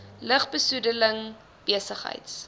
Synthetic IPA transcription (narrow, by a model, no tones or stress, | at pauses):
ləχbəsudələŋ | b̥iəsəχɦə̰jts